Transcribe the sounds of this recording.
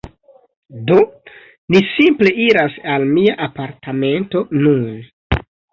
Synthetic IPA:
do | nisimple̞ʔiɾasalmiaʔapaɾtame̞nto̞nun

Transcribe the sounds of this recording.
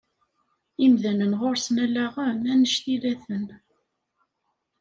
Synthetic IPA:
imðænənʁoɾsnælæʁəmænəʃθilæθən

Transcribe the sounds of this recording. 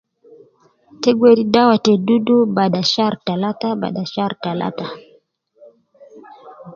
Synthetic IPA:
tɛɡwɛɾidawatɛdudubaɗaʃaɾtalataba̰ɗaʃaɾtala̰ta

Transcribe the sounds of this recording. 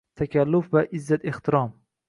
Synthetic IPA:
t̪ʰakʲalːʊfvaʔɪzːat̪eht̪ʰɪɾɒm

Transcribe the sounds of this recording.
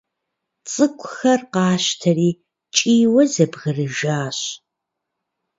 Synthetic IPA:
t͡sʼɨkʷʰʼʊxɐrqɑːɕtʰɐriː | t͡ʃʼiːwɐzɐbʁɐrɨʒaːɕ

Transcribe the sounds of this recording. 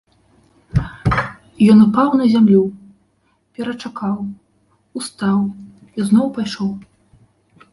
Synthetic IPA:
jɔnupawnɐzʲamlʲu | pʲɛɾɐt͡ʂakaw | ust̪aw | iznɔwpajʂɔw

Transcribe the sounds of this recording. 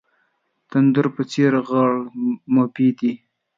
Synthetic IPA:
t̪and̪ʊɾpət͡seɾɣɑɭmopid̪i

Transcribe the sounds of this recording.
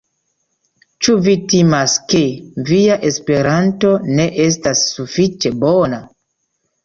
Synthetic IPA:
t͡ʃuvitimaske̞viaʔe̞spe̞ɾanto̞ne̞ʔes̬tasːufit͡ʃe̞bona

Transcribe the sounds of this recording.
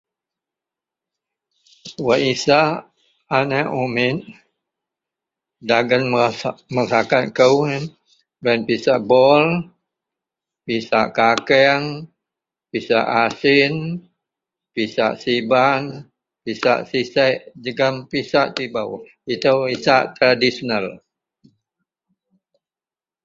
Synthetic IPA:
waʔisa | anaʔumɪt̪̚ | daɡənməsakat̪̚kəw | ɡanpisaʔbɔl | pisaʔkakɛŋ | pisa̰ʔasɪn | pisa̰ʔsiban | pisa̰ʔsisaʔd͡ʒəɡampisaʔt̪ibaw | it̪əwisaʔt̪ɾadisonəl

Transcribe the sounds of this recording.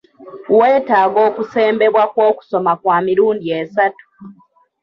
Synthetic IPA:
we̞ːtaːɡo̞ːkuseːmbe̞βwakwoːku̥so̞makwaːmiɾuːndiesatu̥

